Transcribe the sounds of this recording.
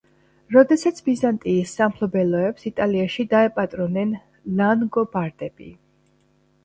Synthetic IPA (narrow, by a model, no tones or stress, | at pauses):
ɾɔd̪ɛsat̪sʰbizant̪ʼiːsːampʰlˠɔbɛlɔɛpsit̪ʼaliaʃid̪aɛpʼat̪ʼɾɔnɛn | lanɡɔbaɾd̪ɛb̥ḭ